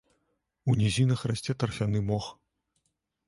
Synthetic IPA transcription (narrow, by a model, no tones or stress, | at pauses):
unʲɛzʲinɐxrasʲt͡sʲɛt̪ɐrfʲanɨmɔx